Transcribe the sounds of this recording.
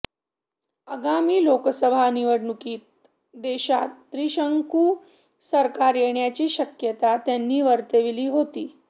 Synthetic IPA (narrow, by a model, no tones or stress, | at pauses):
əɡamiːlokəsəbʱaniʋəɽɳukiːt̪̚ | d̪eɕat̪ːɾiɕəŋkuː | səɾkaɾjeɳjat͡ɕiːɕəkjət̪at̪janːiːʋəɾt̪eʋiliːɦot̪iː